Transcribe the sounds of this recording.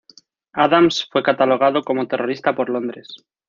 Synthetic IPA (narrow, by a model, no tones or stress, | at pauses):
aðamsfwe̞kat̪alo̞ɣ̞aðo̞ko̞mo̞t̪e̞rʔo̞ɾist̪apo̞ɾlo̞nd̪ɾes